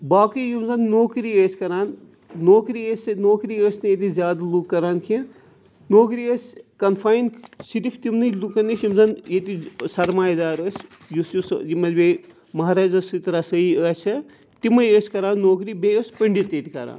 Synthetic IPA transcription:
baːkijumzɐnnoːkɾiəːsʲkɐɾaːnː | oːkɾiəsʲnoːkɾiəːsʲnɨjet̪izjaːd̪alukːɐɾaːnkʰĩ | noːkɾiəsʲkɐnfʰaːjnsiɾipʰt̪imnɨlukɐnisjumzɐnjet̪isɐɾmaːjd̪aːɾəːsʲ | jusjusjimɐt̪ʲbe | mɐɦaɾaːzɐsit̪ɾasɐiəːt͡ʃʰɐ | t̪imɐjəːsʲkɐɾaːnːoːkɾibeəsʲpəɳɖit̪et̪ikɐɾa̰ːn

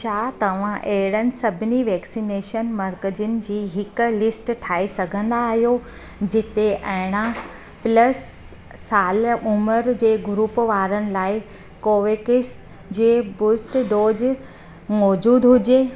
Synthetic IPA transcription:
t͡ɕʰaːt̪ɐʋ̤ãʔeɦɪɽənɪ̆sɐbʱniʋɛːksineːʃənmɐɾkəd͡ʑʊnɪ̆d͡ʑiːɦɪk̆lɪsʈʈʰaːisɐɡʱə̃nd̪aːɦijo | d͡ʑɪt̪eʔɐɦɪɽ̃ã | plɐsː | aːlʊməɾd͡ʑeːɡʊɾuːpʋaːɾənɪ̆laːɪ | koːʋeːkɪs | d͡ʑeːbʊsʈɖoːd͡ʑ | mɔːd͡ʑuːd̪ɦʊd͡ʑeː

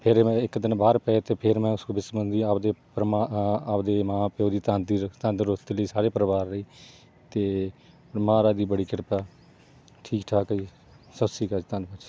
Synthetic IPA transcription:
pʰɪɾ̃ɪkd̪ɪnbaːɾpɛet̪eːpʰɪɾmɛ̃ːʊskoːbɪsbənd̪iːapd̪eːpɾmaːpd̪eːmãːpeoːd̪iːt̪ãnd̪it̪ãnd̪ɾot̪iləiːsaːɾeːpɾəbaːɾːəiː | t̪eː | mãːɾaːd̪iːbəɽiːkɪɽpaː | ʈʰiːkʈʰaːkəiː | səbsiːkəd͡ʒt̪ãnpət͡ʃ

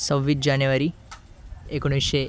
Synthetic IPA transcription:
səʋʋid͡ʒanjuʋaɾi | ekoɽ̃iʃe

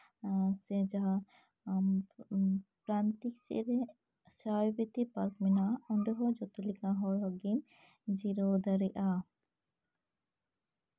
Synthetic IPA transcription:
sɛd͡ʒaɦa | pɾant̪iksɛ̰ɾe | sabit̪ipaɾkminaɔɳɖɔɦɔd͡ʒɔt̪ulikaɦɔɾɦɔɡim | d͡ʒiɾod̪aɾɛʔa

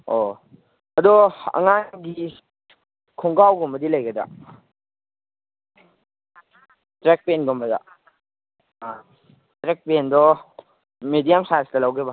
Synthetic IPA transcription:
o | ɐdɔɐ̰ŋanɡi | kʰɔŋɡawɡɔmbɐdilɐjɡɐda̰ | tɾek̚penɡɔmbɐda̰ | tɾek̚pendɔ | medijamsastɐlawɡeba

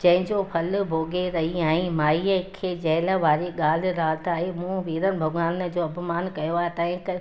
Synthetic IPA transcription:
d͡ʑɐ̃ɦɪ̃ɲd͡ʑopʰɐlbʱoːɡʱeɾɐɦiãːɦɪ̃maːiːəkʰeːd͡ʑɛɦləʋaːɾeɠaːl̤ɪ̆ɾaːt̪ʰaːɦemũːʋiːɾənɪ̆bʱʊɡaːnə̆d͡ʑoːɐpmaːnkɐjoaːɦet̪aːɦɪ̃kə

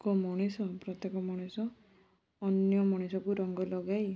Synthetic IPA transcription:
kɔmɔɽ̃esɔpɾɔt̪jekɔmɔɽ̃esɔː | njɔmɔɽ̃esɔkuɾɔŋɡɔlɔɡaj

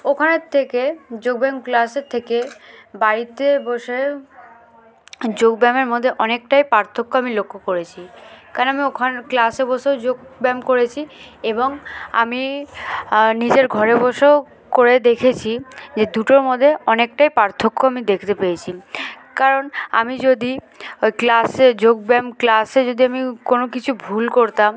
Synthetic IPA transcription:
okʰaneɾt̪ʰeked͡ʑoɡ̚bɛŋklaseɾt̪ʰːekebaɾit̪ebɔʃe | d͡ʑoɡ̚bɛmeɾmod̪ʱːeʔɔnek̚ʈajpaɾt̪ʰokːoamilokʰːokoɾet͡ɕʰikaɾonoamiokʰanklasebɔʃeod͡ʑoɡbɛmkoɾet͡ɕʰieboŋa̰mi | nid͡ʑeɾɡʱɔɾebɔʃo | koɾed̪ekʰet͡ɕʰid͡ʑed̪uʈoɾmod̪ʱːeɔnek̚ʈajpaɾt̪ʰokːoamid̪ekʰt̪epejet͡ɕʰi | kaɾona̰mid͡ʑod̪i | klased͡ʑoɡ̚bɛmklased͡ʑod̪iamikonokit͡ɕʰubʱulkoɾt̪a

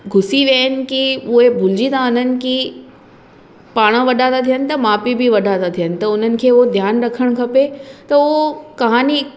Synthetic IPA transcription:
ɡʱʊsiʋəɦənɪ̆kiʊɦebʱʊld͡ʑit̪aʊn̤ənɪ̆ki | paːɽ̃əʋɐɗaːt̪at̪ʰijənɪ̆t̪ɐmaːpibʱiʋɐɗaːt̪at̪ʰijənɪ̆t̪ɐʊn̤ənɪ̆kʰeːʊɦod̪ʱjaːnɾɐkʰəɽ̃kʰɐpet̪ɐʊokɐɦaːni

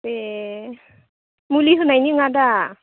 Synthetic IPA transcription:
e | muliɦunajniŋada

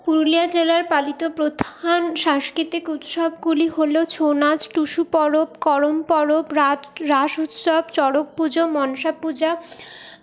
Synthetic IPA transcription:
puɾliad͡ʑelaɾpalit̪opɾod̪ʱanʃaŋʃkit̪ikut̪ʃɔbɡuliɦolot͡ɕʰonad͡ʑʈuʃupɔɾobkɔɾompɔɾobɾaɾaʃut̪ʃɔbt͡ɕɔɽok̚pud͡ʑomɔnʃapud͡ʑa

